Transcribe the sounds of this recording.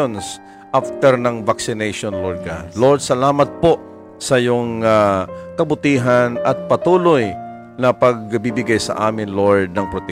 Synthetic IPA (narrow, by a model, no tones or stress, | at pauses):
ons | ʔaft̪ɛɾnɐŋvaksɪnɛjʃonloɹd̪̚kaloɹd̪̚sɐlaːmɐt̪̚poʔ | sɐjʊŋakɐbʊt̪iːɦanɐt̪̚pɐt̪uːloj | nɐpɐɡ̚bibɪɡajsɐ̰ʔaːmɪnloɹd̪̚nɐŋpɾot̪ɛ